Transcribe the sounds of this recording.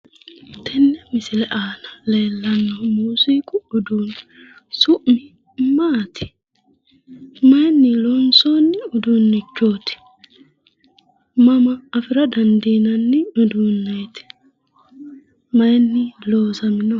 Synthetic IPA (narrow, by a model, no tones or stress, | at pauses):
t̪ɛnːɛmɪsɪlɛʔaːnɐ̥le̞ːlːɐnːɐmuːsiːkʼʊʊd̪uːn | sʊʔmɪ | maːt̪ʰɪ̥ | mɐjnːilɔnsoːnːɪʊd̪uːnːɪt͡ʃːo̞ːt̪ɪ̥ | mɐmɐːfɪɾɐd̪ɐnd̪iːnɐnːɪʊd̪uːnːɐjt̪ɪ̥ | mɐjnːɪloːsɐmɪno